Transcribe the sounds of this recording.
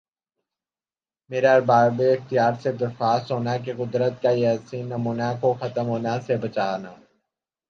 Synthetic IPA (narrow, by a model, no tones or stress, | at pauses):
meːɾaɐɾbaːbeɪxt̪ijaːɾsed̪ɐɾxaːst̪ɦoːnak̬eqʊd̪ɾət̪̚kajaːsiːnːɐmuːnakoxɐt̪əmɦoːnasebɐt͡ʃaːnaː